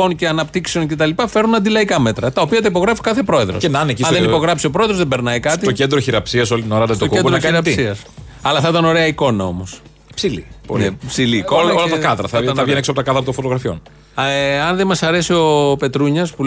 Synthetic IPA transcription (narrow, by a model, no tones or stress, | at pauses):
onceɐnɐpt̪ikseoncet̪ɐlipɐfe̞ɾnunɐnd̪ilɐikɐme̞t̪ɾɐt̪ɐo̞piɐt̪ɐipoɣɾefi̥kɐθepɾo̞e̞ðɾosenɐnecisɐðenipo̞ɣɾɐpsio̞pɾo̞eðozðebe̞ɾnɐikɐt̪it̪ocend̪ɾoçiɾɐpsiɐs̬o̞lit̪inoɾɐɐt̪oooeuɾokɐɾɐpt̪siɐs | ɐlɐθɐit̪ɐno̞ɾe̞ɐiko̞nɐo̞̰mo̞s | psilḭpolnepsiliːololɐt̪ɐkɐðɾɐθɐɐʝeneksoɐpot̪ɐkɐðɾɐt̪onfot̪oɣɾɐfio̞̰n | ɐnðemɐsɐɾe̞sio̞pe̞t̪ɾuɲɐspu